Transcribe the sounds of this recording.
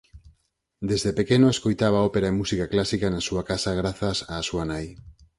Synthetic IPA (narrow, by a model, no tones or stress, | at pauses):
d̪ezðepekenoeskojt̪aβ̞aɔpeɾaemusikaklasikanasuakasaɣ̞ɾaθasaːsuanaj